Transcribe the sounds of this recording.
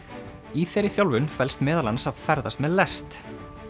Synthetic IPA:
iθejɾɪθjawlvʏnfɛlst̪mɛːðalansavfɛɾðast̪mɛðlɛst̪

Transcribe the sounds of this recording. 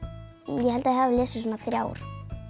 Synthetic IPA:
jɛhɛlt̪ajɛhavɪlɛːsʏsɔnːaθɾja̰ːwɾ̥

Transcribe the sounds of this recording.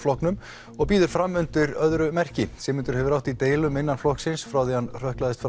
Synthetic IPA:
flɔhknʏm | ɔɣpiːðʏɾ̥fɾamːʏnt̪ʏɾœðɾʏmɛr̥cɪsɛmɪnt̪ʏɾ̥hɛvʏɾawht̪it̪eːjlʏmɪnːanflɔhksɪnsfɾawθɛhanr̥œhklaðɪst̪fɾ

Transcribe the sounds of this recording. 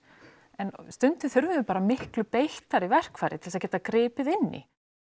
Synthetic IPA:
ɛnst̪ʏnt̪ɪθʏɾvʏpaːɾamɪhklʏpejht̪aɾivɛr̥kfaːjɾɪt̪ʰɪlsaðcɛːt̪akɾɪːpɪðɪnːɪ̰

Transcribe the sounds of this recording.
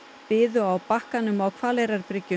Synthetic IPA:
pɪːðʏawpahkanʏmawkʰv̥aːlɛjɾaɾpɾɪcːʏ

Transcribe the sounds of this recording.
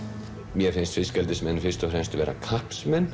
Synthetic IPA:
mjɛfɪnst̪fɪscɛlt̪ɪsmɛnːfɪr̥st̪ɔfɾɛmst̪vɛːɾʔa̰kʰahpsmɛnː

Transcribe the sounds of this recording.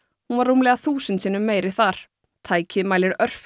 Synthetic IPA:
hunvaɾuːmlɛːɣaθuːsʏnt̪siːnʏmːeːjɾɪθaɾ̥ | t̪ʰaːjcɪðmaːjlɪɾœr̥f

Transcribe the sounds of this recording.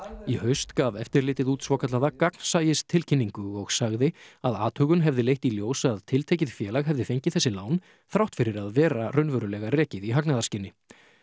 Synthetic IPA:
ihœɥst̪kaːvɛft̪ɪɾlɪːt̪ɪðuːt̪svoːkʰat̪laðakakn̥saːjɪst̪ʰɪlcʰɪnːiŋkʏɔɣsaɣðɪaða̰ːt̪hœːɣʏnɦɛvðɪlejht̪iljoːwsaːðt̪ʰɪlt̪ʰejcɪð̥fjɛːlaɣɦɛvðɪfejɲcɪθɛsːɪlaːwn | θɾawht̪fɪɾɪɾaðvɛːɾarœɥnvœɾʏlɛɣarɛːcɪðiɦaknaðaɾscɪnːɪ

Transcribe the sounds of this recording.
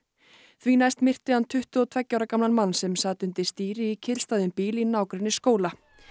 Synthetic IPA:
θvinajst̪mɪr̥t̪ɪant̪ʰʏht̪ʏɔt̪ʰvɛcːawɾakamnanmanːsɛmsaːt̪ʏnt̪ɪst̪iːɾɪicʰɪlst̪ajðʏmpiːlinaːwkɾɛnːɪskoːwla

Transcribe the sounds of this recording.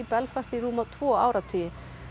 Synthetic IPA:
ipɛlfast̪iruːmat̪ʰv̥ɔːaːwɾat̪ʰʏjɪ

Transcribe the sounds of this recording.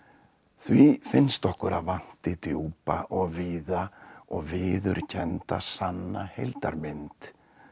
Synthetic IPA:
θvifɪnst̪ɔhkʏɾaðvan̥t̪ɪt̪ɾjowpaʔɔɣviːðaɔɣvɪːðʏɾcʰɛnt̪a̰sanːahejlt̪aɾmɪnt̪

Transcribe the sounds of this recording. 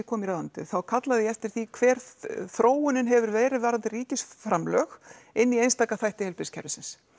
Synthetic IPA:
kʰɔːmiɾaːðant̪ɪ̰θawkʰat̪laðɪjɛɛft̪ɪɾ̥θikʰvɛːɾ̥θɾoːwʏnɪnɦɛvʏɾvɛːɾɪðvaːɾant̪ɪriːcɪsfɾamlœːxɪnːiejnst̪aːkaθajht̪ɪɛlpɪscʰɛɾʏsɪns

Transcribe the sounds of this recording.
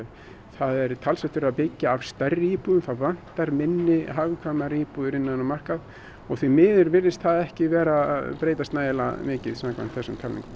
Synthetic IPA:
θaðɛɾt̪ʰalsɛht̪ʏɾapɪcːaavst̪ɛrːɪiːpuðʏmθaðvan̥t̪aɾmɪnːɪɦavɪkʰvaːmaɾɪiːpuðʏɾɪnːaðʏnamar̥kað | ɔɣθvimɪːðʏɾvɪɾðɪst̪θaðɛhcɪvɛːɾapɾeːjt̪ast̪naːjðɪla̰mɪːcɪðsamkva̰nt̪θɛsːʏmt̪ʰalnḭŋkʏ

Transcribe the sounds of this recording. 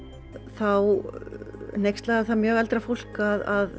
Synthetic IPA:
θaw | n̥ejkst̪laːɣaθamjœːɣɛlt̪ɾafowl̥kaðað

